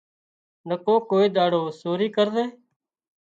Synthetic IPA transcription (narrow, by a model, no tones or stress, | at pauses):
nəkoːkoːiːɗ̪aːɽoːsoːɾiːkəɾd̪eː